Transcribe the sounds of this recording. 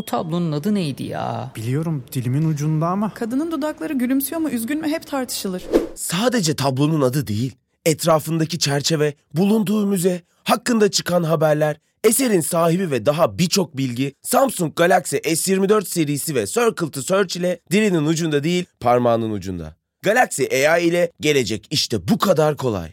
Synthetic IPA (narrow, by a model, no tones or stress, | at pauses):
ut̪ʰa̰blˠo̞nunad̪ɯnejd̪ḭja̰ːb̥ilʲijo̞ɾumd̪̥ilʲiminud͡ʒund̪amakʰad̪ɯnɯnd̪od̪aklˠaɾɯɟylʲymsyjomuʔyzɟʲynmɛɦɛpt̪ʰaɾt̪ʰɯ̥ʃɯlˠɯɾ̥saːd̪e̞d͡ʒɛt̪ʰablˠo̞nunad̪ɯd̪ḛjilʲ | ɛt̪ʰɾaːfɯnd̪acit͡ʃʰæɾt͡ʃʰe̞vɛ | bulˠund̪uːmyzɛ | hakːɯnd̪at͡ʃʰɯkʰanɦabæɾlʲæɾ | ese̞ɾinsaːɦibivɛd̪aɦabiɾt͡ʃʰo̞k̚bilʲɟisampsuŋk̚ɡalʲaksiʔɛsjiɾmid̪ø̞ɾt̪se̞ɾijːsivɛsøɾkɯlˠt̪ʰɯsø̞ɾt͡ʃilʲɛd̪̥iɾininud͡ʒund̪ad̪ejilʲpʰaɾmanɯnṵd͡ʒṵnd̪a̰ | ɡ̥alʲaksiʔejaːilʲɛɟe̞lʲe̞d͡ʒɛciʃt̪ʰɛbukʰad̪aɾkʰo̞lˠa̰j